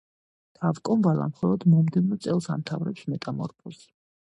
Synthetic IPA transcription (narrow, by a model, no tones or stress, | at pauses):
d̪̥ʰavkʼɔnvalˠa̰mχɔlˠɔd̪mɔmd̪ɛvmɔt̪sʼɛlˠsa̰mt̪ʰavɾɛpsmɛt̪ʼamɔ̰ɾpʰɔs